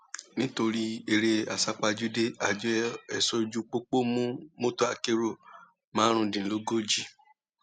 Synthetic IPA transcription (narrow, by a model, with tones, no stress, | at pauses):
nĩ˦to˧ɾi˦e˧ɾe˧a˨sa˧k͡pa˧d͡ʒu˦de˦a˨d͡ʒɔ˦ɛ˨sɔ˧d͡ʒu˧k͡po˦k͡po˦mũ˦mo˦to˦a̰˧˨ke˧ɾo˨ | mãː˨˦ɾ̃ũ˧dĩ˨lo˨˦ɡo˦d͡ʒi˦˨